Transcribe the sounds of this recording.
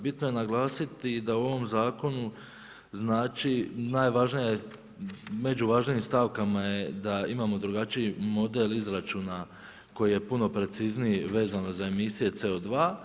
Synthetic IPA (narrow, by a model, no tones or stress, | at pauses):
bit̪no̞je̞naɡlˠaːsit̪id̪auo̞ʋo̞mzaːko̞nu | znaːt͡ʃinaːjʋaʒnija | me̞d͡ʒuʋaʒnijimst̪aʋkamaje̞d̪aimaːmo̞d̪ɾuɡat͡ʃiimo̞d̪elizɾat͡ʃuːna | ko̞jije̞puno̞pɾe̞t̪siznijiʋe̞ːzano̞zae̞misije̞t̪se̞o̞d̪ʋaː